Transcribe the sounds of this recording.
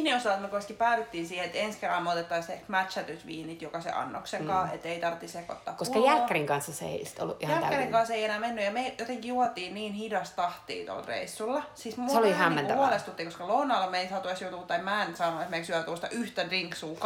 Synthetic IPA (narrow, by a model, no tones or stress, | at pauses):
neosɑlːet̪mekoiskipæːʋit̪ːiːnsiːheet̪enskerːɑmeot̪et̪ːɑist̪emæt̪ʃæt̪ysʋḭːnit̪jokɑsḛʔɑ̰nːo̰kseŋkɑːḛt̪ːeit̪ɑrt̪ːiseko̰t̪ːɑ̰ːkosukɑjælːkæɾiŋkɑnsːɑseḛisi̥t̪o̰lːuʔʔihjælkæriŋkɑnseijenæːmenːyjjɑmejot̪eŋkijuot̪iːnniːnhidɑst̪tɑht̪ḭːt̪o̰lrḛisːulːɑsismueolihææmːenæuolest̪ut̪ːikoskɑlounɑlːɑmeisɑt̪uesjout̪uːt̪ːɑimæːnsɑːnoesmeksyæt̪uost̪ɑ̰ʔyht̪ædriŋksuːk